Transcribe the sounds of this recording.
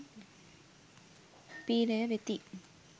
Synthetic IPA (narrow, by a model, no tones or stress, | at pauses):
piːlɐjɐʋet̪ːi